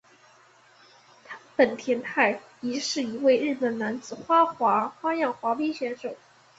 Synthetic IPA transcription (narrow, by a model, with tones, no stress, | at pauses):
t̪ʰa˥pə˨˩nt̪ʰjɛ˧˥nt̪ʰa˥˩ɪ | i˧˥ʂɻ̩˥˩i˧˥we˥˧ɪɻɻ̩˥˩pə˨˩nna˧˥nt͡sɹ̩˨˩xwa˥xwa˧˥xwa˥jɑ˥˩ŋxwa˧˥pe˥ɕɥɛ˧˥nʂo˨˩˦ʊ